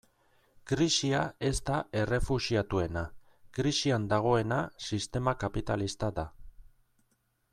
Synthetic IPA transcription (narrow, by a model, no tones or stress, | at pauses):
kɾisiae̞st̪aʔe̞re̞fusiat̪ue̞na | kɾisiand̪aɣ̞o̞e̞nasist̪e̞makapit̪alist̪aða